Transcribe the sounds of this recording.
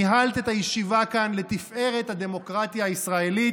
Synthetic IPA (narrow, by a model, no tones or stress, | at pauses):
iɦalt̪et̪ajeʃivakanle̞t̪ifʔe̞ʁe̞t̪had̪e̞mo̞kʁat̪jaːisʁae̞li